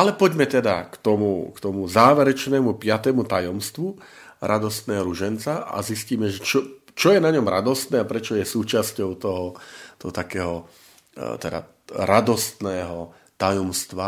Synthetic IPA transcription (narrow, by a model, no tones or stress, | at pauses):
alɛpɔɟmɛt̪ɛd̪a̰kt̪ɔmukt̪ɔmuzaːʋɛɾɛt͡ʃnɛːmupɪat̪ɛmut̪ajɔmst̪ʋu | ɾʔad̪ɔst̪nɛːɔɾuʒɛnt͡saʔa̰zisciːmɛʒɛt͡ʃɔ | t͡ʃɔjɛnaɲɔmɾad̪ɔst̪nɛːapɾɛt͡ʃɔjɛsuːt͡ʃascɔʊt̪ɔɦɔt̪ɔɦɔt̪akɛːɦɔ | t̪ɛd̪a̰ | ɾad̪ɔst̪nɛːɦɔ | t̪ajɔmst̪ʋa